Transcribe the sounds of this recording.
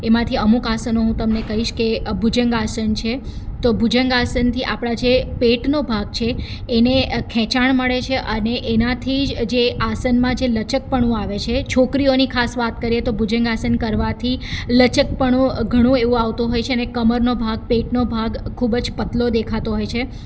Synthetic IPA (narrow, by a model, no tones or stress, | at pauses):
emãt̪ʰiəmukasənoɦũt̪əmnekəɦiʃkebʱud͡ʒəŋɡasənt͡ʃʰe | t̪obʱud͡ʒəŋɡasənt̪ʰiʔapɽ̃ad͡ʒepeʈnobʱaɡt͡ʃʰeː | nekʰɛ̃t͡ʃaɳ̃məɭet͡ʃʰeʔəneʔenãt̪ʰid͡ʒd͡ʒeʔasənmãd͡ʒelət͡ʃək̚pəɳũaʋet͡ʃʰet͡ʃʰokɾionikʰasʋat̪̚kəɾiet̪obʱud͡ʒəŋɡasənkəɾʋat̪ʰilət͡ʃək̚pəɳ̃ũɡʱəɽ̃ũeʋũaʋt̪ũɦojt͡ʃʰeənekəməɾnobʱaɡ̚peʈnobʱaɡkʰubd͡ʒpət̪lod̪ekʰat̪oɦojt͡ʃʰe